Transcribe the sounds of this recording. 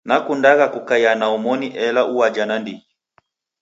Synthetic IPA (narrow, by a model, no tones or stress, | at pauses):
nakundaɣakukajanaɔmɔniʔɛlaʔuwad͡ʒanandii